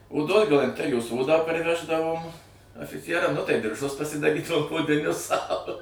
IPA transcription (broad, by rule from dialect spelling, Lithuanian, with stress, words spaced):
oːˈdoːs ɡɐlˠɐnʲˈtʲæːrʲɪjoːs ˈoːdɑː pɐrʲˈʋʲæːʒdɐʋoːm ɐfʲɪˈt͡sʲiɛrɐm nʊ tɐɪ dʲɪrˈʒʊs pɐsʲɪdɐˈrʲiːdɐʋoːm oːdʲɪˈnʲʊs sɐʊ